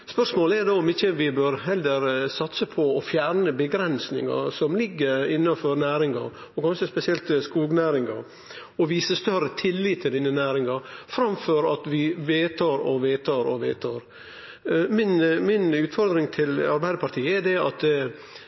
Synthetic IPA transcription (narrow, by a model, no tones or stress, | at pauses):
spœʂmoːləɛɾd̪ɑːʊmɪçːəʋɪbøːɾɦɛlːəɾsɑt̪səpʰɔɔfjæːɾɳəbəɡɾɛnsnɪ̰ŋɑ̰sɔmlɪɡːəɾɪnːɑnfɔɾnæːɾɪŋɑ̰ɾ | ɔɡɑnsəspɛsɪɛlt̪skuːɡnæːɾɪŋɑɾ | ɔʋiːsəst̪œɾət̪ʰɪlːiːt̪ʰːəd̪ɪnːənæːɾɪŋɑfɾɑmføɾɑt̪ʋɪʋeːt̪ʰɑɾɔʋeːt̪ʰɑɾɔʋḛːt̪ʰɑɾ | mɪnmɪnʉːt̪fɔɾd̪ɾɪŋt̪ʰɪlɑɾbæɪd̪əpʰɑɾt̪ʰiːəɛdɛɑt̪